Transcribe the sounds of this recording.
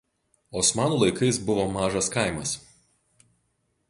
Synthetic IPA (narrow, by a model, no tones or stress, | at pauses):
oːsmɑːnuːlˠɐɪkɐɪsbʊʋomɑːʒɐskɐˑɪmɐs